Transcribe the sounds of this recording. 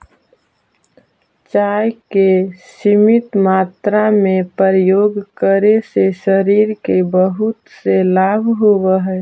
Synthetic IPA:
t͡ʃaːjkesimɪt̪maːt̪ɾamẽpəɾəjoːɡkəɾeseʃəɾiːɾkebəɦʊt̪selaːbʱɦowəɦɛ

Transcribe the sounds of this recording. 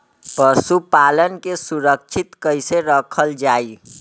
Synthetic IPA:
pəsupalənkesuɾək̚t͡ʃʰit̪kəjseɾəkʰəld͡ʒai

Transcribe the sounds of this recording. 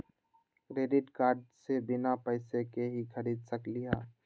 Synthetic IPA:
kɾeːɖɪʈkaːɾɖsebɪnapəɪsekeɦikʰəɾiːd̪səklɪjaː

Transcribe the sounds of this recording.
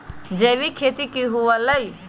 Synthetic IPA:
d͡ʒebikʰet̪ikiɦuələj

